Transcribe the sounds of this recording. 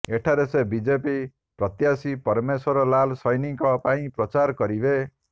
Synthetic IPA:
eʈʰaɾesebid͡ʒepi | pɾʌt̪jasipʌɾmeswɔɾɔlalsʌjnikɔpaĩpɾʌt͡ʃaɾkʌɾibe

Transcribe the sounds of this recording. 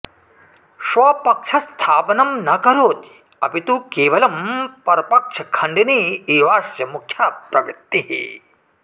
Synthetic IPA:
ʃʋɐpɐkʂɐst̪ʰaːpɐnɐmnɐkɐɾoːt̪i̥ | ɐ̰pit̪ukeːʋɐlɐmpɐɾɐpɐkʂɐkʰɐɳɖiniːiːʋaːsjɐmukʰjaːpɾɐʋḭt̪ːiɦḭ

